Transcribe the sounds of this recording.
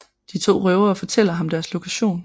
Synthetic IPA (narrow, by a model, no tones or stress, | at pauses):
d̥it͡sʰo̝̰ːʁœʊɐːfɒ̽t͡sʰel̰ɐɦɑ̈md̥æɐslo̝kʰæɕo̝̰ːn